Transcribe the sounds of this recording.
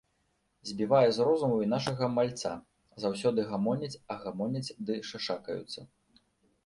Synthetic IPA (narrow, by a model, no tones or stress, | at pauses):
zʲbʲivajɛzrɔzumuinaʂɐɣɐmalʲt̪sa̰ | zaws̬ʲɔd̪ɨɣamɔnʲɐt͡sʲɐɣamɔnʲɐt͡sʲd̪ɨʂaʂakɐjṵt̪sːɐ̰